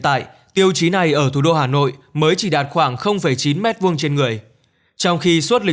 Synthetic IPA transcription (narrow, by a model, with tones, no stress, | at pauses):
t̪a̰ː˧˨jt̪i˧əwt͡ɕi˨˦na˨˩jʔəː˧˩t̪ʰu˧˩ɗo˧haː˨˩no̰˧˨jməː˨˦jt͡ɕi˧˩ɗaː˨˩t̚xwaː˧˩ŋxə˧wŋ͡mfə˧˩jt͡ɕi˨˦nmɛ˦˥t̚vu˧əŋt͡ɕe˧nŋɨ˨˩əj | t͡ɕɔ˧wŋ͡mxi˧swu˦˥t̚lï˨˩